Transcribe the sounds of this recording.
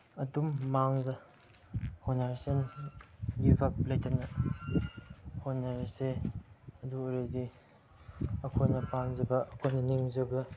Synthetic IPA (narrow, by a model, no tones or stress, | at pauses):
ɐdumːaŋzɐ | honaɾsen | ɡibʰʱap̚lajtʰanɐ | honaɾse | ɐduɾedi | ɐkʰojnɐpaŋzɐbɐːkʰojnɐniŋzɐbɐ